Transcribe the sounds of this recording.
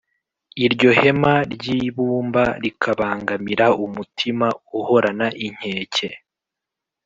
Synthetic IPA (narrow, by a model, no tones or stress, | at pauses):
iɾɟo̞he̞maɾɟiːβuːmbaɾikʰaβaːŋɡamiɾaumutʰimauho̞ɾanaʔiɲ̥he̞ːce̞